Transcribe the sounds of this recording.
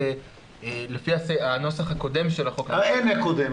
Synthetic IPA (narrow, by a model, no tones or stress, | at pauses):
e | lefiaseano̞saχhako̞de̞mʃelaχo̞kenekod̪e